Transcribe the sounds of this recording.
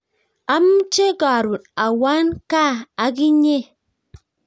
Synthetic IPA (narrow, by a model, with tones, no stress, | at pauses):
a˦m̩˦t͡ʃe˦ɡa˨ɾu˨t̚a˨wa˦nka˦˨a˨ɡi˦ɲe˦